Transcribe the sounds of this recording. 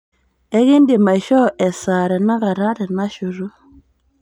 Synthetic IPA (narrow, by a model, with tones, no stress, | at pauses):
ɛ˦ɣɪ˦ndɪ˨ma˨ʃɔ˦ʔɛ˨sa˨ɾɛ˨na˦ɣa˨ɾa˦ɾɛ˨na˦ʃo˨ɾo˦